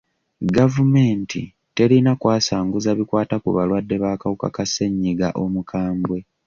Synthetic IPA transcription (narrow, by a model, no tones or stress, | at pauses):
ɡavume̞ːntḭ | te̞ɾinakwaːsaːŋɡuzaβikwaːtakuβalwadːe̞βaːkawuka̰kase̞ɲːiɡa̰ʔo̞mukʰaːmbwe̞